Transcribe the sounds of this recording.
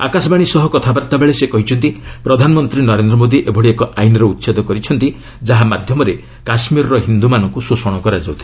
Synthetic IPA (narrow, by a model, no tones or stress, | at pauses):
a̰kasɔbaɽ̃isɔɦɔkɔt̪ʰabaɾt̪abeɭesekɔɦit͡ʃʰɔnt̪ipɾɔd̪ʱanɔmɔnt̪ɾinɔɾend̪ɾɔmod̪iʔebʱɔɽiekɔʔajnɔɾɔut̪ːsed̪ʱɔkɔɾit͡ʃʰɔnt̪i | d͡ʒaɦamad̪ʱjɔmɔɾe | kasmiɾɔɾɔɦind̪umanɔŋkususɔɽ̃ɔkɔɾad͡ʒawt̪ʰi̥